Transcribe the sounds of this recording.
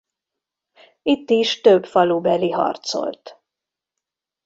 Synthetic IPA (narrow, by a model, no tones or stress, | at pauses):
it̪ːiʃt̪øbfɒlubɛliɦɒ̰rt̪so̞̰lt̪